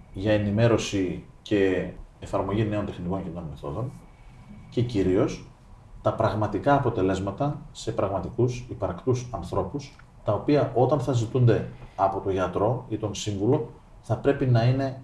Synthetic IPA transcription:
ʝɐe̞nime̞ɾo̞sice̞ːfɐɾmo̞ʝine̞o̞nt̪e̞xniko̞nceneonme̞θo̞̰ðo̞n | ce̞ciɾio̞s | t̪ɐpɾɐɣmɐt̪ikɐːpo̞t̪e̞le̞zmɐt̪ɐse̞pɾɐɣmɐt̪ikusipɐɾkt̪usɐnθɾo̞pus | t̪ɐo̞piɐʔo̞t̪ɐnθɐzit̪und̪e̞ɐpo̞t̪o̞ʝɐt̪ɾo̞it̪o̞nsiɱvulo̞ | θɐpɾe̞pinɐine̞

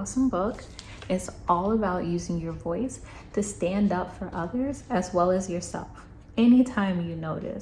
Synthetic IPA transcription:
ɑsə̃mbʊk | ɪtsʔɔlˠəbaʊʔjʉzɪ̃ŋjə˞vɔɪs | tʰɨstæ̃ndʌpfə˞ʔʌðə˞z̥ɨzwɛlˠɨzjə˞sɛ̰lˠf | ɛnitʰãɪ̃mjɨnoʊɾɨ̰s

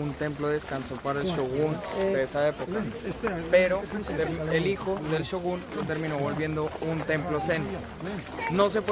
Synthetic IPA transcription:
unt̪e̞mplo̞ðeskansopaɾaelʃoɣund̪eesae̞pokkappe̞ɾo̞t̪eɾelixo̞ðelʃoɣunlot̪e̞ɾmĩnoβolβje̞nd̪o̞unt̪e̞mplo̞sent̪o | no̞s̬epwe

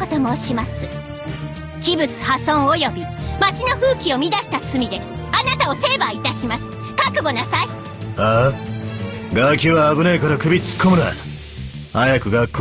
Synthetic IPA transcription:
ot̪omoɕimasɨ | kʲibɯ̟t͡sɨ̥hasõ̞ɰ̃o̞jo̞bʲimat͡ɕino̞ɸɯ̟ːkʲio̞mʲid̪aɕi̥t̪at͡sɨmʲid̪e̞ | anat̪ao̞se̞ːbait̪aɕimasɨ̥ | kakɯ̟ɡo̞nasai | a | ɡakʲɨβaːbɯnekaɾakɯbʲit͡sɨ̥kʰːomɯnaa̰ | ajakɯ̟ɡakː

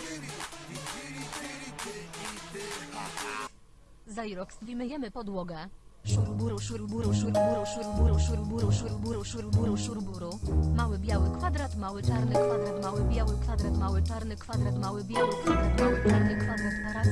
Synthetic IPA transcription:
zajɾɔkst̪vʲimɘjɛmɘpɔd̪wɔɡɛʂuɾbuɾʂuɾuɾuʂubuɾuʂuɾuɾuʂuɾbuɾuʂuɾbuɾuʂuɾbuɾuʂuɾbuɾumawɘbʲjawɘkfad̪ɾat̪mawɘt͡ʂaɾnɘkfad̪ɾat̪mawɘbʲjawɘkfad̪ɾat̪mawɘt͡ʂaɾnɘkfad̪ɾat̪mawɘbʲjawɘkfad̪ɾat̪mawɘtaɾnɘkfad̪ɾat̪paɾa

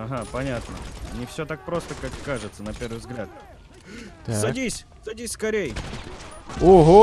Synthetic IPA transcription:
ɐɦapɐnʲat̪nə̰nʲɪfsʲot̪ak̚pɾo̞st̪əkakkːaʐɨt̪sənɐpʲe̞rvɨjvzɡlʲat̪̚ | t̪sɐdʲisʲ | sɐdʲisʲskɐɾʲejə | oɦo

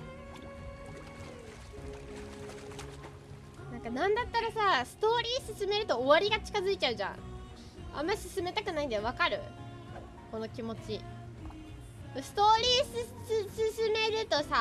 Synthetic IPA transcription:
nãŋkanãnd̪at̪ːaɾasasɨ̥t̪o̞ːɾʲiːsɨsɨme̞ɾɯ̟t̪o̞ːβaɾʲiɡat͡ɕi̥kazɨit͡ɕaɯ̟ʑã̰ | ã̰mːaisɨsɨme̞t̪akɯ̟naĩnd̪eβ̞akaɾɯ̟̰ | ko̞no̞kʲimo̞t͡ɕi | ɯsɨ̥t̪o̞ːɾʲiːsɨssɨsɨme̞ɾɯ̟t̪o̞sa

